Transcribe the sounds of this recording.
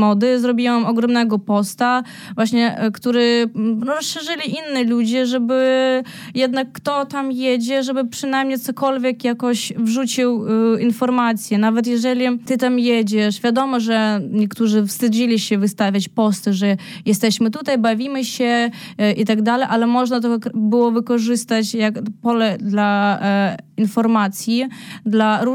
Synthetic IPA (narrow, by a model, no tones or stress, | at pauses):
mɔd̪ɘzɾɔbʲiwɛmɔɡɾɔmnɛɡɔpɔst̪a | vwaɕɲɛkt̪uɾɘɾɔsʂɛʐɘlʲiʔinːilud͡ʑɛʐɛbɘ | jɛd̪nakːt̪ɔt̪amjed͡ʑɛʐɛbɘpʂɘnajmɲejt̪ɔkɔlvʲjɛkjakɔɕvʐut͡ɕiwinfɔɾmat̪sʲjɛnavɛt̪̬jɛʐɛlʲit̪ɘt̪amjed͡ʑɛʂvʲjad̪ɔmɔʐɛɲɛkt̪uʐɘfst̪ɘd͡ʑilʲiɕɛvɨst̪avʲjat͡ɕpɔst̪ɨʐɛjɛst̪ɛɕmɘt̪ut̪ajbavʲimɘɕɛ | ʔit̪aɡd̪alɛjʔalɛmɔʐnat̪̬ɔkbɘwɔvɘkɔʐɘst̪at͡ɕjakpɔlɛd̪la | infɔɾmat̪sʲjid̪laɾu